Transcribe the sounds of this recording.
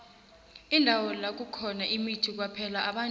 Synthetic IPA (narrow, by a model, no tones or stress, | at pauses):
indʱawɔlak̬ukʰɔnaʔimitʰik̬wapʰɛlaʔaɓa